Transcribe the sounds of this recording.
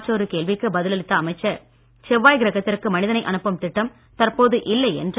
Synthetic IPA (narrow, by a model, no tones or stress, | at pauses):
ʈːoːɾɯkeːlʋɪkːɯbɐðɪlɐlɪt̪ːɐːɐmɐɪt͡ʃːɐ | t͡ʃɛʋːaːjɡɪɾɐɣɐt̪ːɪɾɯkːɯmɐnɪðɐnɐɪʔɐnɯpːɐmt̪ɪʈːɐm | t̪ɐrpoːðɯʔɪlːɐɪɛ̰ndr